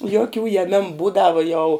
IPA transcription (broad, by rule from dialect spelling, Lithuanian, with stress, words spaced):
joːˈkʲuː jɛˈmʲæːmʊ ˈbuːdɐʋʊ jɛʊ